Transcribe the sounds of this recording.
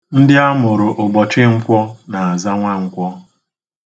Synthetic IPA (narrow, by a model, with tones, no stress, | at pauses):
n̩˦dɪ˦a˦mʊ˨ɾʊ˨ʔʊ˨ɡ͡bɔ˨t͡ʃɪ˦ŋ̩˦kʷɔ˦na˨a˨za˦ŋʷa˦ŋ̩˨kʷɔ˦